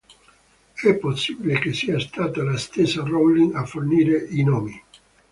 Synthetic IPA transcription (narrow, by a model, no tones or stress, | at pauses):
ɛpːosːibilekesiːast̪aːt̪alast̪esːarolːiŋafːorniːɾeʔinoːmi